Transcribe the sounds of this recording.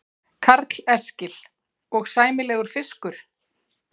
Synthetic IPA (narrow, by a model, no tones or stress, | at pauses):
kʰaɾt̪lɛscɪl | ɔɣsaːjmɪlɛːɣʏɾ̥fɪskʏɾ̥